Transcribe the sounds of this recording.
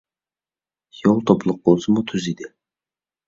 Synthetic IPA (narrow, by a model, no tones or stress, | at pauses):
jolˠt̪ʰoplˠʊq̚b̥olˠsəmut̪ʰyzid̪ɪ